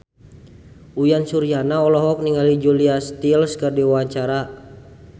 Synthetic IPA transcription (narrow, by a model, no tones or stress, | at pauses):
ujansuɾijanaɔlɔɦɔk̚niŋalid͡ʒuliast̪ilskərdiwaɲt͡ʃaɾa